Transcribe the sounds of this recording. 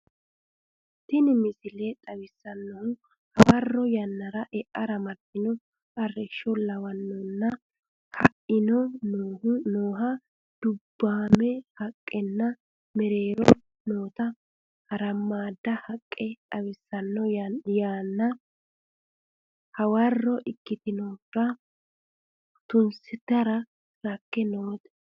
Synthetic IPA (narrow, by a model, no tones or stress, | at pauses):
t̪ːɪnɪmɪsɪlɛt̪ʼɐwɪsːɐnːɔhʊ | hɐwɐrːɔjɐnːɐɾɐʔɛʔɐɾɐmɐɾd̪ɪnɔ | ɐrɛʃːɔlɐwɐnːɔnːɐ | hɐʔɪnɔnːnoːɦɐ | d̪̥ʊbːaːmɛhɐkʼːɛnːɐ | mɛɾe̞ːɾɔ | noːt̪ɐ | hɐɾɐmːaːd̪ːɐhɐkʼːɛɐwɪsːɐnːɔjaːnːɐ | hɐwɐrːɔʔɪkːɪt̪ɪnoːɡɐ | t̪ʊnsɪt̪ːɐɾɐ | lɐkːɛnoːt̪ɛ̥